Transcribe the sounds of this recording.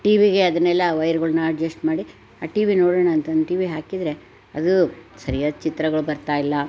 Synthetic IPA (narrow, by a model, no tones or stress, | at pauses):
ʈiːʋiɡe̞ɐd̪ɐnɛlːɐʋɐjɐɾɡɐɭɐnɐɐd͡ʒɐsʈmaːɽi | aːʈiːʋinoːɽoːɳaːnt̪ɐnd̪ʈiːʋiɦaːkid̪ɾe̞ | ɐ̰d̪usɐɾijaːd̪t͡ʃit̪ɾɐɡɐɭubɐɾt̪aːjilːɐ